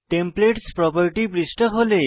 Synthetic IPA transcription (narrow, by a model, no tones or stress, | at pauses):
ʈempleʈspɾɔpɔɾʈipɾisʈɔɦole